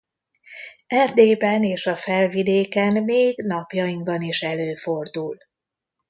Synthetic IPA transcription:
ɛrd̪eːbɛneːʃɒfɛlvid̪eːkɛnmeːɡn̪ɒpjɒjiŋɡbɒniʃɛløːfo̞rd̪ul

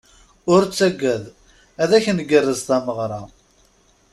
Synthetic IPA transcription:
ʊɾt͡sːæɡːæð | æðæçnɡərːəzθæməʁɾˤɑ

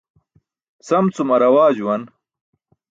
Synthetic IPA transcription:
sɐmt͡sumɐɾɐwaːd͡ʑuwɐn

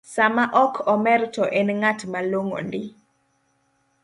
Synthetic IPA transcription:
samaʔɔkʰɔmɛrtɔʔɛnŋatmaloŋo̰ndɪ

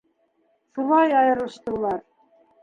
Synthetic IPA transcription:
ʃulˠɑjɑjɤ̆ɾɤ̆ʃt̪ɤ̆lˠɑɾ

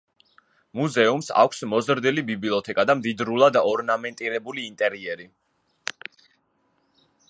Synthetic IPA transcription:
muzɛumsa̰kʷʰsmɔzɾd̪ilibibliɔt̪ʰɛkʼad̪amd̪id̪ɾulˠad̪aɔɾnamɛnt̪ʼiɾɛbuliːnt̪ʼɛɾiɛɾi

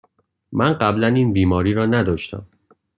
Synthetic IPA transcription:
mænɢæblæniːnbiːmɒːɾiːɾɒːnæd̪ɒːʃt̪æ̰m

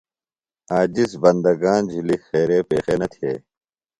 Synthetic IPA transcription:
aːd͡ʑisbɐnd̪ɐɡaːnd͡ʑʱilixeːɾeːpeːxeːnɐt̪ʰḛː

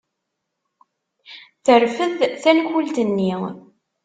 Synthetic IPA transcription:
θəɾfəðθænçult̪ənːi

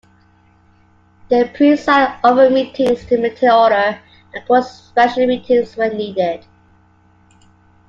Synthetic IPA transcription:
ðəpʰɹ̥ĩnsaɪovəmitʰɪ̃ŋz̥tʰɨmɪtʰiɔɾə | ə̃nkʰɔs | pɛʃəlimiˑtʰɪ̃ŋzwəniːdɪd̥

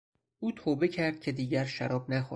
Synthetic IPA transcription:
ʔuːt̪ʰɒːbe̞cʰæɾd̪̥̚cʲʰe̞d̪iːɟæɾʃæɾɒːb̚næxo̰

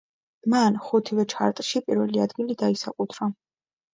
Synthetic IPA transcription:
manχut̪ʰivɛt͡ʃʰa̰ɾt̪ʼʃipʼiɾvɛliad̪ɡilid̪aisakʼut̪ʰɾa

